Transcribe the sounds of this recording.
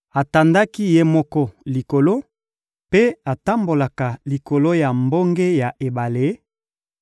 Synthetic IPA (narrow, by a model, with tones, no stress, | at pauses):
a˨ta˨nda˦ki˦je˦mɔ˦kɔ˦li˨ko˨lo˦ | pe˦a˨ta˦mbo˨la˨ka˨li˨ko˨lo˦ja˨mbo˦ŋɡe˦ja˨ʔe˨ba˨le˨˦